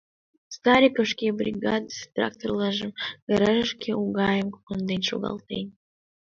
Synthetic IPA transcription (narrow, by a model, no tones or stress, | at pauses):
st̪aɾʲikoʃkʲebrʲiɡɑd̪əst̪rɑ̰k̚t̪orlˠɑʒəmɡ̥əɾɑʒʃkʲeʔuɡɑjəmku̥kənd̪enʃṵɣɑ̰lˠt̪ḛn